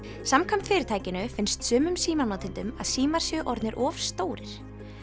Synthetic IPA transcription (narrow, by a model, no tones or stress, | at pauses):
samkʰamt̪fɪːɾɪɾt̪ajcɪnʏfɪnst̪sʏːmʏmsiːmanaːt̪ʰɪlt̪ʏma̰ðsiːmaɾ̥sjœʔɔɾt̪nɪɾʔɔːfst̪oːwɾɪɾ̥